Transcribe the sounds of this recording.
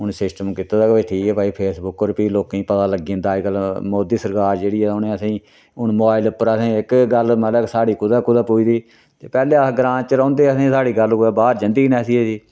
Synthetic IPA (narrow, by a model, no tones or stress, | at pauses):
ʊnsɪsʈəmkɪt̪aːd̪aːkbeʈʰiːkɛːpaːiːpʰeːsbʊkːoɾpiːloːkːĩːpət̪aːləɡiːə̃nd̪aːd͡ʒɡəlmoːd̪iːsəɾkaːɾd͡ʒeːɽiːɛːʊnẽːəsĩː | ʊnmobaːɪlʊpːəɾəsẽːɪkɡəlməlɛːksaːɽiːkʊd̪aːkʊd̪aːpuiːd̪iː | t̪ḛːpɛːleːɡɾãːnt͡ʃəɾãːnd̪eːəsĩːsaːɽiːɡəlːbaːɾd͡ʒənd̪iːnɛːsiːesiː